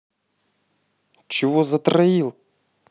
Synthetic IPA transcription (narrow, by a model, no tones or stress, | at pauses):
t͡ʃɪʋɔzɐt̪ɾɐjilˠ